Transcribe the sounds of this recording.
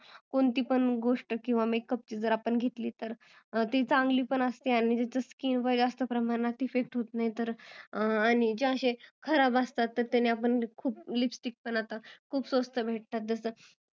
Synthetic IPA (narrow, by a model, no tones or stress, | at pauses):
koɳt̪iːpəɳɡoʂʈəkĩw̃ʋamekːəp̚t͡ɕiːd͡zəɾapəɳɡʱet̪liːt̪əɾ | t̪it͡sãŋɡliːpəɳəst̪iaɽ̃id͡ʑ̪et͡səskiːnʋəjd͡ʑast̪əpɾəmaɾnat̪ifek̚ʈɦot̪najt̪əɾ | aɽ̃id͡ʑeəɕekʰəɾabast̪at̪ːəɾt̪aniapəɳkʰuːplipsʈik̚pənat̪akʰuːpsəst̪əbʱeʈ̚t̪at̪̚d͡zəsə